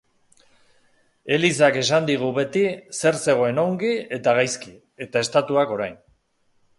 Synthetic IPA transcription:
e̞lis̬ake̞sand̪iɣ̞uβe̞t̪ise̞ɾse̞ɣ̞o̞e̞no̞ŋɡie̞t̪aɣ̞ajski | e̞t̪ae̞st̪at̪uako̞ɾajn

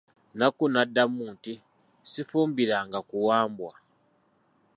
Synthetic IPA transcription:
nakunadːamuːnti | sifuːmbiɾaŋɡakuwaːmbwa

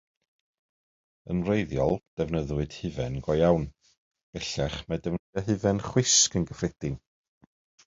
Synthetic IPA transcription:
ənrejðjɔ̰lˠd̥ɛvnəðwɨd̥hɨvɛnɡɔjawn | b̥ɛɬɛχmɛdɛvnəðaɦɨvɛnχwɪskənɡəfrɛd̥ɪn

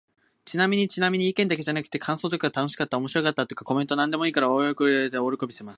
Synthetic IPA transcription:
t͡ɕinamʲiɲ̟it͡ɕinamʲiɲ̟iːkẽ̞nd̪ak̬e̞ʑanakɯ̟̥t̪ːe̞kʰãɰ̃so̞ːt̪o̞kaɡat̪ano̞ɕi̥kat̪ːaomo̞ɕiɾo̞kat̪ːat̪okḁko̞ment̪onãnd̪e̞moiːkaɾaojokɯet̪eoɾokobʲisemasɨ̥

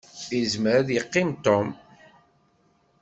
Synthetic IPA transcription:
izməɾaðjəqːimt̪ɔm

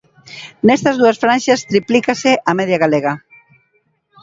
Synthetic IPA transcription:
nɛst̪ɐzðuɐsfɾanʲʃast̪ɾiplikaseʔamɛðjaɣaleɣɐ

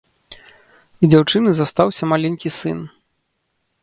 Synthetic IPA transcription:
d͡zʲawt͡ʂɨnɨzast̪awsʲɐmalʲɛnʲkʲisɨn

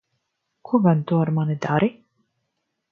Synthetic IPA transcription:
kʰuɡant̪uaɾmanid̪aɾi

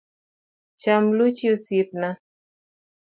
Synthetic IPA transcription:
t͡ʃamlut͡ʃiosip̚na

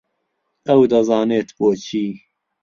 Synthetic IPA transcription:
ɐwd̪ɐzɑːneːt̪boːt͡ʃʰiː

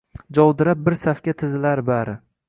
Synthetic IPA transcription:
d͡ʒɒwd̪ɪɾap̚bɪɾsafkʲat̪ʰɪzɪlaɾbaɾɪ

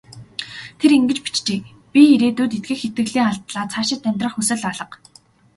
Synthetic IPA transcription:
t̪ʰeɾiŋɡɘ̆t͡ɕpi̥t͡ɕt͡ɕeː | pʲiiɾeːt̪uːt̪et̪̚ɡɘ̆kxet̪̚ɘ̆ɣɮiːŋaɮt̪ɮaːt͡sʰaːʃɪ̆t̪ːæmʲt̪rə̆χxusɘ̆ɮaɮɞ̆q

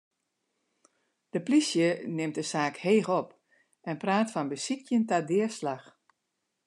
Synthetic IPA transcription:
d̥əplisjənɪmt̚dəsaːkheːxɔp | ɛnpraːtfɔnbəsikʰjəntadɪəslax

